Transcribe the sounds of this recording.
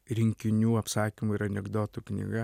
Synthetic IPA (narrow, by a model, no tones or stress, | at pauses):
ɾʲɪŋʲkʲɪnʲuːɐpsɑːkʲimʊiɾɐnʲɛɡd̪oːt̪ʊknʲḭɡɐ